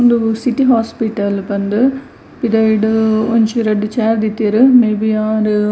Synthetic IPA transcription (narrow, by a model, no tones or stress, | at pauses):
ond̪usiʈiɦaːspiʈɐlbɐnd̪ɨ | pid̪ɐjɖuoɲt͡ʃuɾɐɖt͡ʃeːɾd̪it̪ːiɾɨmebiaːɾ